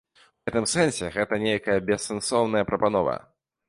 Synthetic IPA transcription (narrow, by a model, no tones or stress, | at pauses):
ɣɛt̪ɨmsɛnsʲɛɣɛt̪ɐnʲejkɐjɐbʲɛsːɛnsɔwn̪ɐjɐpɾɐpanɔvɐ̰